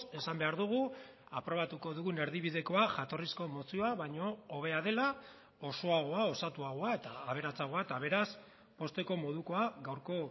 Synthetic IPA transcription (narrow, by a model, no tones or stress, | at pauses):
e̞sambe̞aɾðuɣ̞u | apɾo̞βat̪uko̞ðuɣune̞ɾðiβiðe̞ko̞aʝat̪o̞risko̞mo̞sioaβaɲo̞ːβe̞aðe̞la | o̞so̞aɣo̞aosat̪uaɣo̞ae̞t̪aːβ̞e̞ɾat͡saɣo̞aet̪aβ̞e̞ɾas | po̞st̪e̞ko̞mo̞ð̞uko̞aɣawɾko̞